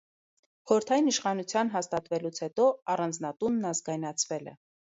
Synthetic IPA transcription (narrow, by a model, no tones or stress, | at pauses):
χɔɾəɾt̪ʰɑjiniʃχɑnut͡sʰjɑnɦɑst̪ɑt̪vɛlut͡sʰhɛt̪ɔɑrɑnd͡znɑt̪unːɑzɡɑjnɑt͡sʰvɛlɛ̰